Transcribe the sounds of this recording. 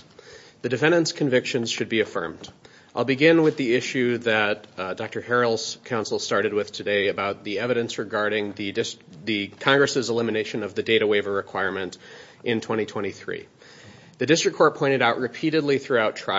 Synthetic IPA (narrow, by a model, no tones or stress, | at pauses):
ðɨdɨfɛ̃ndɨ̃nskʰɨ̃ɱvɪkʃɨ̃nz̥ʃɨd̚biɨfɜ̰̃˞md | aɪlˠbɨɡɪ̃nwɨðiɪʃʉðɨt̚d̥ɑk̚tə˞hɛɹl̩ˠz̥kʰãʊ̃nsl̩ˠstɑɹɾɨd̚wɨð̥tʰɨdeɪɨbaʊt̪̚ðiɛvɨɾɨ̃nsɹɨɡɑɹɾɪ̃ŋðɨɪsðɨkʰɑ̃ŋɡɹɨsɨzəlɪ̃mɨneɪʃɨ̃nʌvðɨdeɪɾɨweɪvə˞ɹɨkʰw̥aɪɹmɨ̃nt | ʔɨ̃ntʰw̥ɛ̃ɾ̃itʰw̥ɛ̃ɾ̃iθɹḭ | ðɨdɪstɹ̥ɨkʰːɔɹt̚pʰɔ̃ɪ̃ɾ̃ɨɾaʊʔɹɨpʰiɾɨdˡliθɹʉaʊtʰɹ̥a